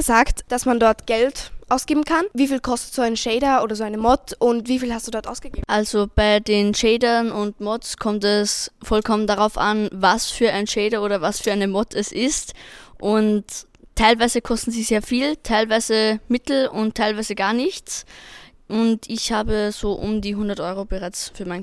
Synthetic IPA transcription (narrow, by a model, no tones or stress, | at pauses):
əzaːktd̥asmandɔɐtɡ̥ɛltʔaʊsɡ̥eːbm̩kʰanviːfiːlkʰɔstə̥tz̥oːaɪnəʃɛːɾɐʔoːdɐzoːaɪnəmɔtʔʊntv̥iːfiːlhastd̥uːdɔɐtʔa̰ʊsɡ̥əɡeːʔalzob̥aɪdeːnʃeːdɐnʊntmɔtt͡skʰɔmtɛsfɔlkʰɔməndaʁaʊfʔa̰nvasfyːɐʔaɪnʃeːdɐoːdɐvasfyːɐaɪnəmɔtʰɛsɪstʔʊnt | tʰːaɪlvaɪzəkʰɔstn̩ziːzeːɐfiːltʰaɪlvaɪzəmɪtl̩ʊnttʰːaɪlvaɪzəɡaːɐnɪçt͡s | ʔʊntɪçhaːbəz̥oːʔʊmdiːɦʊndɐtʔɔʏʁobəʁaɪt͡sfyːɐmaɪn